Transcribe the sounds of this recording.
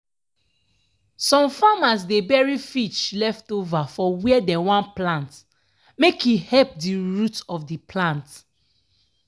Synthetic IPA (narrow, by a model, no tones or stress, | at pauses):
sɔ̃mfamas̬debɛɹifit͡ʃlɛftovafɔwiɛdɛwãnplãnt | mekjuhɛp̚diɹutɔfdipʰlãnt